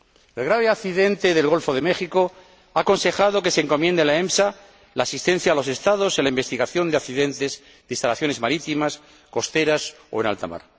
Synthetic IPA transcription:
elɣ̞ɾaβ̞eakθiðe̞nt̪e̞ðe̞lɣo̞lfo̞ðe̞mexiko̞ | aːko̞nse̞xað̞o̞ke̞seːŋko̞mje̞nd̪elaemsa | laːsist̪e̞n̟θjaːlo̞se̞st̪aðo̞selaimbe̞st̪iɣaθjo̞nd̪eakθiðe̞nt̪e̞z | ðeist̪alaθjo̞ne̞zmaɾit̪imas | ko̞st̪e̞ɾas | o̞̰ena̰lt̪a̰ma̰ɾ

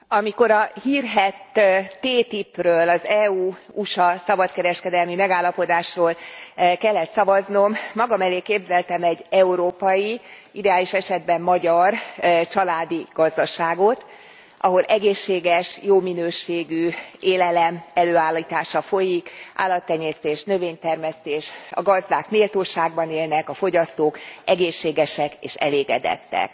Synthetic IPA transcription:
ɒmiko̞ɾɒhiːrɦɛt̪ːeːt̪iprøːlɒzɛuː | uʃɒsɒbɒt̪kɛɾɛʃkɛd̪ɛlmimɛɡaːlːɒpo̞d̪aːʃroːlkɛlːɛt̪sɒvɒzno̞mːɒɡɒmɛleːkeːbzɛlt̪ɛmɛɟːɛuɾoːpɒji | id̪ɛaːliʃɛʃɛd̪̚bɛmːɒɟɒrt͡ʃɒlaːd̪iɡ̥ɒzd̪ɒʃaːɡo̞t̪ | ʔɒɦo̞lʔɛɡeːʃːeːɡɛʃjoːminøːʃeːɡyeːlɛlɛmɛløːaːlːiːt̪aːʃɒfo̞jikʔa̰ːlːɒt̪ːɛɲeːst̪eːʃnø̞veːɲt̪ɛrmɛst̪eːʃɒ̰ɡɒzd̪aːkmeːlt̪oːʃaːɡ̚bɒneːlnɛkɒfo̞ɟɒst̪oːkɛɡeːʃːeːɡɛʃɛkḛːʃɛ̰leːɡɛ̰d̪ɛ̰t̪ːɛ̰k

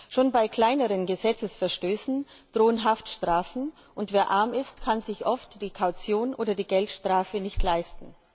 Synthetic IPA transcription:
ʃoːnbaɪkʰl̥aɪnəʁənɡəzɛt͡səsfɛɐʃtøːsn̩d̥ʁoːənɦaftʃtʁ̥aːfn̩ | ʔʊntv̥eːɐʔaɐmɪstkʰanzɪçʔɔftd̥iːkʰaʊt͡sjoːnʔoːdɐdiːɡɛltʃtʁ̥aːfənɪçtlaɪstn̩

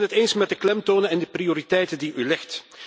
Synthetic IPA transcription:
nɦəteːnsmɛt̚dəklɛmtoːnəɛndəprioːɾitɛjtəndiʔylɪxt

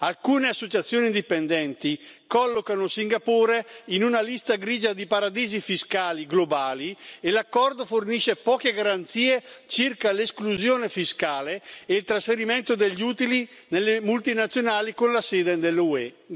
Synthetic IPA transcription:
alkuːneasːot͡ʃat̪sːjoːnind̪ipend̪ɛnt̪ikɔlːokanosiŋɡapoːɾeinunalist̪aɡɾiːd͡ʒad̪ipaɾad̪iːzifiskaːliɡlobaːlielakːɔrd̪oforniʃepɔːkeɡaɾant̪siːet͡ʃirkaleskluzjoːnefiskaːleeilt̪ɾasfeɾiment̪od̪eʎːuːt̪ili | nelːemult̪inat̪sːjonaːlikonlaseːd̪ed̪elːuɛ

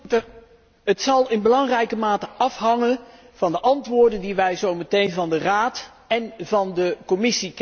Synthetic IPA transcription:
ɦətsɑlˠɪnbəlɑŋrɛjkəmaːtəʔɑfɦɑŋən | v̥ɑndəʔɑntʋʊːɹdəndiʋɛjzowmətejnvɑndəraːt | ɛnvɑndəkɔmɪsik

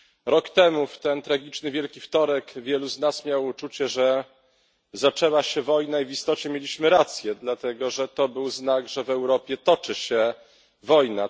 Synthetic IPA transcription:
ɾɔkt̪ɛmuft̪ɛnt̪ɾaɡʲit͡ʂnɘvʲjɛlkʲift̪ɔɾɛkvʲjɛluznasmʲjawut͡ʂut͡ɕɛʐɛ | zat͡ʂɛwaɕɛvɔjnaivist̪ɔt͡ɕɛmʲjelʲiɕmɘɾat̪sʲjɛd̪lat̪ɛɡɔʐɛt̪ɔbɘwznaɡʐɛvɛwɾɔpʲjɛt̪ɔt͡ʂɘɕɛ | vɔjna

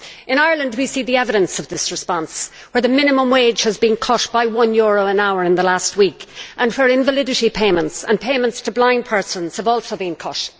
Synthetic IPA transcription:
ɨ̃ɾ̃aɪə˞lə̃nd̚wisiðiɛvɨɾə̃nsʌvðɪsɹɨspɑ̃ns | wə˞ðɨmɪ̃nɨmə̃mweɪd͡ʒ̥həzbĩnkʰʌʃb̥aɪwʌ̃njɔɹoʊə̃naʊə˞ɨ̃nðəlast̚wikʔə̃nfə˞ɪ̃ɱvəlɪɾɨɾipʰẽɪ̃mə̃ntsə̰̃npʰẽɪmə̃ntstʰəblãɪ̃npʰɜ˞sə̃nz̥əvɔlˠsoʊbĩnkʰʌt

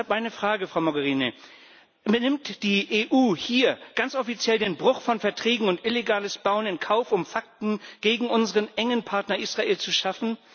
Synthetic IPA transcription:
apʔaɪnəfʁ̥aːɡəfʁ̥aʊmoɡəʁiːnə | nɪmtd̥iːʔeːʔuːhiːɐɡ̥ant͡sʔɔfit͡sjɛldeːnbʁʊχfɔnfɛɐtʁ̥ɛːɡŋ̩ʊntʔɪleɡaːləsb̥aʊənɪnkʰaʊfʊmfak̚tn̩ɡ̥eːɡŋ̩ʔʊnzəʁənʔɛŋənpʰaɐtnɐʔiːsʁ̥aʔeːlt͡suʃafn̩

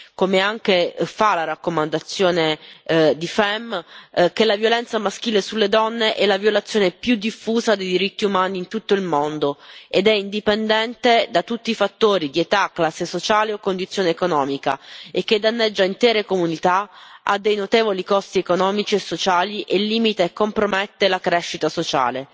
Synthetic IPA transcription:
komeaŋk̟efalaɾakːomand̪at̪sːjoːned̪ifɛmk̟elavjolɛnt̪samask̟iːlesulːed̪ɔnːeʔɛlːavjolat̪sːjoːnepjud̪ːifːuːzad̪ejd̪iɾit̪ːiumaːniːnt̪ut̪ːoilmond̪oed̪ɛind̪ipend̪ɛnt̪ed̪at̪ut̪ːiifat̪ːoːɾid̪iet̪akːlasːesot͡ʃaːleokːond̪it̪sːjoːneːkonɔːmika̰ekːed̪anːed͡ʒːaint̪ɛːɾekomunit̪aa̰d̪ːejnot̪eːvolikɔst̪iekonɔːmit͡ʃiesːot͡ʃaːliʔelːiːmit̪aekːompɾomet̪ːelakɾɛʃːit̪asot͡ʃa̰ːle

